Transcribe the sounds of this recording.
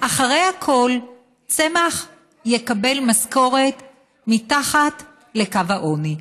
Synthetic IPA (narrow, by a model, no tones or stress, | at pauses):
ʔaχaʁe̞jhakʰo̞l | t͡se̞maχ | je̞kabe̞lmasko̞ʁe̞t | mitaχat | le̞kavaʔo̞ni